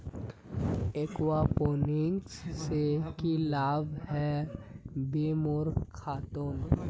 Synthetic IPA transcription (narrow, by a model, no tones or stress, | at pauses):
ekwapoːnɪŋɡssekilaːbɦɛ | bemʊɾkkʰːaːt̪on